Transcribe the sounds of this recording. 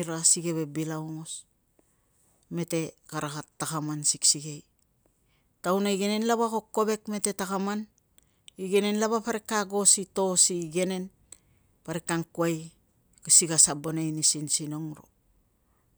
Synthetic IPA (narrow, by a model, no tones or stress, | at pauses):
ɾasiɡe̞βe̞bilaoŋos | me̞te̞kaɾakatːakamansiksiɡej | tawnaiɡe̞ne̞nlaβako̞kːo̞βe̞kme̞te̞takaman | iɡe̞ne̞nlaβapaɾekːaɡo̞sito̞siɡe̞ne̞n | paɾekaŋkuaj | kasiɡasabonajnisinsino̞ŋɾo̞̰